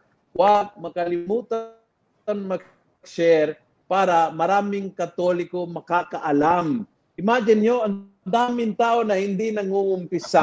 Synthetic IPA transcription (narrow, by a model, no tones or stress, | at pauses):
waɡ̚mɐkɐlɪmuːt̪a | anmɐɡ | ʃɛɾ | paːɾɐmɐɾaːmɪŋkɐt̪olɪkomɐkaːkɐʔɐlam | ʔɪmaːd͡ʒɪnɲoʔɐŋ | d̪aːmɪnt̪aːʔonɐhɪnd̪inɐŋuʔʊmpɪsa